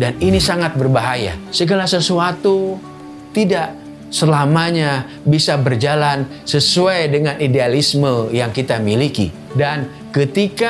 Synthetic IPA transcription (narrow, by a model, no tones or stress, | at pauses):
daninisaŋat̪̚bərbaɦaja̰səɡalasəsuat̪u | t̪idaʔ | səlamaɲa | bisabərd͡ʒalan | səsuajdəŋanidealisməjaŋkit̪amilikḭ | dan | kət̪ika